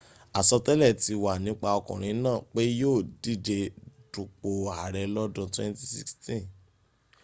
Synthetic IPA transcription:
a˨sɔ˧tɛ˦lɛ˦˨ti˧wa˨nĩ˨˦k͡pa˧ɔ˧kɔ̰̃˨ɾ̃ĩ˨˧˦nãː˦˨k͡pe˦joː˦˨di˦˨de˧du˨k͡po˨a˨ɾɛ˧lɔ˦dũ˧twɛ̃˦nti˧si˦kstĩ˦˨

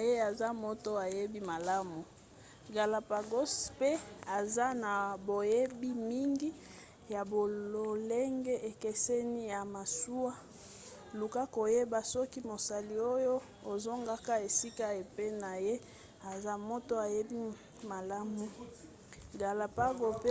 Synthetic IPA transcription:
je˦a˨za˦mo˦to˦a˨je˦bi˦ma˨la˦mu˨ | ɡa˨la˨pa˨ɡo˦spe˦a˨za˦na˨bo˨je˦bi˦mi˦ŋɡi˦ | ja˨bo˨o˨le˦ŋɡe˦ʔe˨ke˦sɛ˦ni˦ja˨ma˨su˦a˦ | lu˨ka˦ko˨je˦ba˦sɔ˦ki˦mo˨sa˨li˨o˦jo˦ | o˨zo˦ŋɡa˦ka˦e˨si˦ka˦e˨pe˦na˨je˦ | a˨za˦mo˦to˦a˨je˦bi˦ | ma˨la˦mu˨ | ɡa˨la˨pa˦ɡo˨p

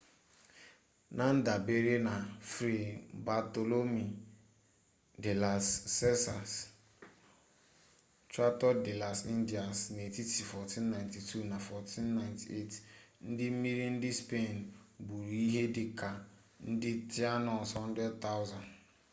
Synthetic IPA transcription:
na˨n̩˦da˨be˦ɾe˦na˨fɾi˨ba˨to˨lo˦mi˨ | de˨la˨sːɛ˦sa˨s | t͡ʃa˦tɔ˦de˨la˨si˦n˦di˨a˨sne˨ti˦ti˨fɔ˨ti˦nːã˨ɪ˨nti˨tʰu˦˨na˨fɔ˨tʰi˦nːa˨ɪ˨nti˨e˦˨tn̩˦dɪ˦m̩˦mi˦ɾi˦n̩˦dɪ˦spe˦˨n˨bu˨ɾi˦ɦe˦dɪ˨ka˨ | n̩˦dɪ˦ti˦a˦nɔ˨sɔ˦n̩˦dɛ˦d̚t̪a˦ʊ˦za˨n

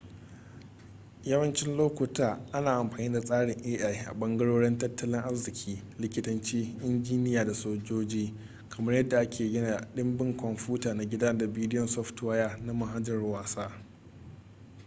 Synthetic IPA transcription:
jɐ˦wɐ˦nt͡ʃɪ˦nloː˦kʷʊ˨taː˨ʔa˦naː˨ʔa˨mɸaː˨niː˦da˨sʼaː˦ɽɪ˨ŋʔeː˦ʔa˦˨jʔa̰˨ɓɐ˦ŋɡɐ˦ɽoː˦ɽɪ˦ntɐ˦tːɐ˦lɪ˦ŋʔa˦rzɪ˨kʲʰiː˦lɪ˦kʲɪ˦tɐ˦nt͡ʃiː˦ʔɪ˦nd͡ʒiː˦nɪ˦jaː˨da˨soː˦d͡ʒoː˦d͡ʒiː˦ | kʰɐ˨mɐ˦rjɐ˦dːa˨ʔa˦kʰʲeː˨ɡʲɪ˦na˨ɗɪ˦mbɪ˦ŋkʷɔ˨mɸuː˦taː˨na˨ɡʲɪ˦daː˦da˨biː˦dɪ˦jɔ˨nsɔ˦ɸtwa˦ja˦na˦ma˨ɦa˦d͡ʒɐ˨rwaː˨saː˦

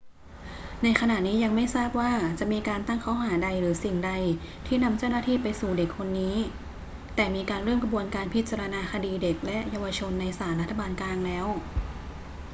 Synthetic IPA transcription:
na˧jxʰa˧na˨˩niː˦˥ja˧ŋma˥˩jsaː˥˩p̚waː˥˩t͡ɕa˨˩ʔmiː˧kaː˧nt̪a˥˩ŋkʰa˦˥wɦaː˩˦da˧jɾɯː˩˦si˨˩ŋda˧j | t̪ʰiː˥˩na˧mt͡ɕaː˥˩wna˥t̪ʰiː˥˩pa˧jsuː˨˩de˨˩kʰːo˧nːiː˦˥ | t̪ɛː˨˩miː˧kaː˧nɾɯː˥˩mkʰa˧bu˧ənkaː˧npʰi˦˥t̪̚t͡ɕaː˧ɾa˧naː˧kʰa˧diː˧de˨˩k̚lɛ˦˥ʔjaː˧wa˧t͡ɕʰo˧nːa˧jsaː˩˦nɾa˦˥t̪ʰːa˧baː˧nklaː˧ŋlɛː˦˥w

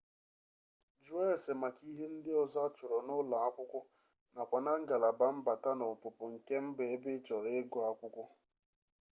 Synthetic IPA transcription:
d͡ʒu˦e˦˨sɪ˨ma˨ki˦ɦe˦n̩˦dɪ˦ɔ˨za˦t͡ʃʊ˨ɾɔ˨nʊ˦la˨a˦kʷʊ˦kʷʊ˦ | na˨kʷa˨na˦ŋ̩˦ɡa˨la˨ba˦m̩˦ba˨ta˦nʊ˨pʊ˨pʊ˨ŋ̩˨ke˦m̩˦be˨e˦bɪ˦t͡ʃɔ˨ɾɪ˦ɡʊ˨a˦kʷʊ˦kʷʊ˦

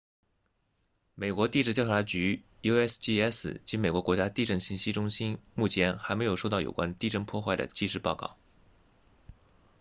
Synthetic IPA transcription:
me˨˩ɪkwɔ˧˥t̪i˥˧ʈ͡ʂɻ̩˥˩t͡ɕjɑ˥˧tʰa˧˥t͡ɕy˧˥ | jo˥ɛ˥sdi˥ɛ˥s̩˥˩t͡ɕi˧˥nme˨˩ɪkwɔ˧˥kwɔ˧˥t͡ɕja˥t̪i˥˧ʈ͡ʂə˥˩ŋɕi˧˥nɕi˥ʈ͡ʂʊ˥ŋɕi˥nmu˥˩t͡ɕʰjɛ˧˥nxa˧˥ɪme˧˥jʂo˥˧t̪ɑ˥˩ʊjo̰˨˩kwa˥nt̪i˥˧ʈ͡ʂə˥˧ŋpʰwɔ˥˧xwa˥˩ɪd̪ə̰˩t͡ɕi˥˧ʂɻ̩˥˧˩pɑ˥˧ʊkɑ̰˥˩ʊ

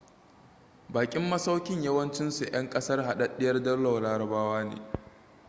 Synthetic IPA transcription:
baː˨kʲʼɪ˦mːɐ˦sa˦wkʲɪ˦ɲjɐ˦wɐ˦nt͡ʃɪ˦nsu˨jɐ˦ŋkʼɐ˦sɐ˦rɦa˨ɗɐ˦ɗɪ˦jɐ˦rdɐ˦rla˨wlaː˦ɾɐ˨baː˦waː˦nḛː˨

